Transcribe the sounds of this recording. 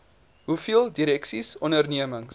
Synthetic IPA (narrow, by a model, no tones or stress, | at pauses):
ɦufiəlˠdiɾɛksisɔnərniəməŋs